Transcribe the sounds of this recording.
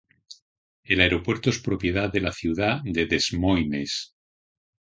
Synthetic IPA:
e̞laeɾo̞pwe̞ɾt̪oe̞spɾo̞pje̞ðaðe̞laθjuð̞ad̪e̞ðe̞zmojmes

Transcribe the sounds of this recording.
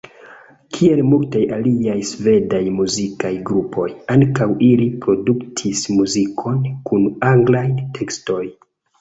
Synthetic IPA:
kʰie̞lmultajaliajsve̞dajmuzikajɡɾupʰo̞jaŋkawʔilipɾo̞duktʰismuzikʰo̞nkunaŋɡlajtʰe̞ksto̞j

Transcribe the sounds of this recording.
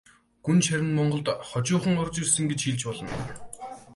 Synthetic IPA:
ɡ̥unt͡ɕʰæɾʲɪ̆nmɔɴɢɞ̆ɮt̪χɔt͡ɕʊːχə̆ŋʊrt͡ɕirsə̆ŋɡet͡ɕxiːɮt͡ɕpɔɮɞ̆n

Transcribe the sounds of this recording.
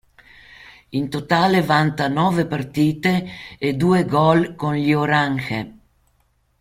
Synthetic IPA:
int̪ot̪aːlevant̪anɔːvepart̪iːt̪eːd̪uːeɡɔlkonʎioɾaŋxḛ

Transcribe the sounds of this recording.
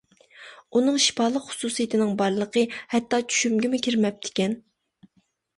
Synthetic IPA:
unɨŋʃi̥pɑːlˠəqχʊ̥suːsijit̪ʰɪnɪŋbɑɾlˠəqʰəhɛt̪ːɑt͡ʃʰy̥ʃymɡʲɪmɪkʲʰiɾmɛp̚t̪ʰɪ̥kʲɛn

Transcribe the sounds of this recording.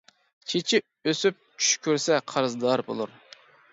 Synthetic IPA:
t͡ʃʰet͡ʃʰi | øsyp̚t͡ʃʰy̥ʃkʲʰøɾsɛqʰɑɾɨzd̪ɑɾbo̰lˠuɾ

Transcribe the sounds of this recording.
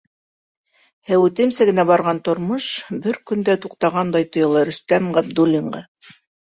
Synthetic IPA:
hæwʉt̪ɘ̆msɘɡɘ̆næbɑɾʁɑnt̪ŏɾmɤʃbɘɾkɵ̆nd̪æt̪uqt̪ɑʁɑnd̪ɑjt̪ŏjɤ̆lˠɤɾɵ̆st̪æmʁæb̚d̪ulʲːiɴɢɑ

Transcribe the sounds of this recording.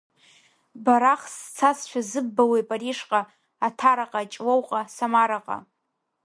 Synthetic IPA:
baɾaχst͡sʰasʃʷᶣazɨbːawejpʼariʂqʼaː | tʰaɾaqʼat͡ʃʼwowqʼasamaɾaqʼa̰

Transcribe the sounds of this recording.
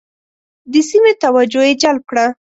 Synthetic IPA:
d̪əsimet̪awad͡ʒojed͡ʒalp̚kɽa

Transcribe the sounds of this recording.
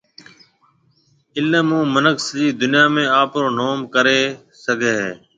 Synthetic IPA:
ɪlnẽːmũːmənəksd͡ʒiːd̪ʊnɪjaːmẽːaːpɾoːnoːmkəɾeː | səɡʱeːɦeː

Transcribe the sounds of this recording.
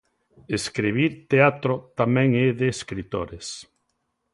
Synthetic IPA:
eskɾiβiɾt̪eat̪ɾot̪amɛ̃ŋɛðeːskɾit̪oɾes

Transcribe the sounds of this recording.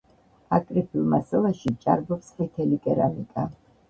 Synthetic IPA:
akʼɾipʰilˠmasalˠaʃit͡ʃʼa̰ɾbɔpsmit̪ʰɛlikʼɛɾamikʼa

